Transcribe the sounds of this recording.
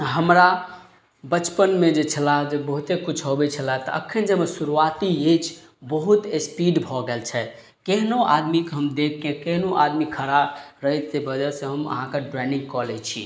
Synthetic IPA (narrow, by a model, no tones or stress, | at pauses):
ɦəmɾa | bət͡ʃpənmed͡ʒet͡ʃʰəlad͡ʒebəɦut̪ekut͡ʃʰɦobɛt͡ʃʰəlat̪ɔ̰ʔə̰kʰənd͡ʒəmesuɾuat̪ied͡ʒ | bəɦut̪espiɖbʱɔɡelt͡ʃʰɛ | keɦnoa̰d̪mikɦəmd̪ekʰkẽkeɦnoʔa̰d̪mikʰəɾabɾəɦit̪sebəd͡ʒəɾsẽɦəmə̰ɦãkeɖɾɛnĩŋɡkɔlet͡ʃʰi